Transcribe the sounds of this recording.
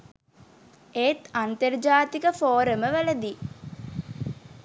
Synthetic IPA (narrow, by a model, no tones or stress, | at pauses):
eːt̪ant̪ərd͡ʒaːt̪ikəfoːɾəməʋəlɐd̪iː